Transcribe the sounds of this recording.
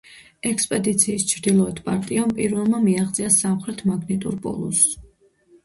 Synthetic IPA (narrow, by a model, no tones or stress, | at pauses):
ɛkspʼɛd̪it̪sʰiːst͡ʃʰɾd̪ilˠɔɛd̪pʼaɾt̪ʼiampʼiɾvɛlˠmamiaχd̪sʼiasamχɾɛt̪ʰmaɡnɛt̪ʼṵɾpʼɔ̰lˠṵs